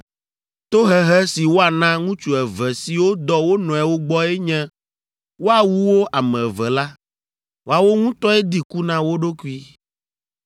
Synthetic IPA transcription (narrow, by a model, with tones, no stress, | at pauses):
t̪o˦ɦɛ˦ɦɛ˦si˨wo˦a˨nã˦ŋũ˦t͡ʃu˨ɛ˨vɛ˨si˨wo˦d̪ɔ˦wo˦nɔ̃˨ɛ˨wo˦ɡ͡bɔ˦e˦ɲɛ̃˦ | wo˦a˨wu˦wo˦ʔa˨mɛ̃˨vɛ˨la˦ | wo˦a˨wo˦ŋũ˦t̪ɔ˦e˦d̪i˦ku˦nã˦wo˦ɖo˦ku˦i˦